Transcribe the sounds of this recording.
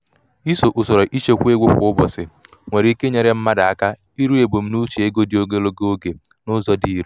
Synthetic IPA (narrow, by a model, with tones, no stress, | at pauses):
i˦so˨ʔʊ˨sɔ˨ɾɔ˨ʔi˦t͡ʃe˦kʷe˦ɡʷʊ˦kʷʊ̰˨˦ʊ˦bɔ˨sɪ˨ | ŋʷe˨ɾi˨i˦ke˦ɲe˨ɾe˨m̩˦ma˦da˨a˦ka˦ | i˦ɾu˦e˨bo˨m̩˦nu˦t͡ʃi˨e˦ɡo˦di˨o˦ɡe˦lo˦ɡe˦o˦ɡe˨ | nʊ˦zɔ˦di˦ɾu˦